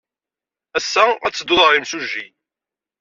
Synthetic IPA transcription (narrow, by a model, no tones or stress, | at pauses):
æsːææ̰t͡sːəd̪ʊðˤəɾˤimsuʒːi